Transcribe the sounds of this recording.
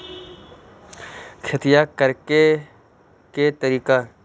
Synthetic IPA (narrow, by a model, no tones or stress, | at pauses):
kʰɐt̪ijakəɾke | ket̪ɐɾiːka